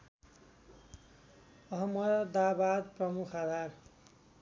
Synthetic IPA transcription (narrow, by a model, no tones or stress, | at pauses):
ʌɦʌmʌd̪ʌd̪abad̪prʌmukʰad̪ʱar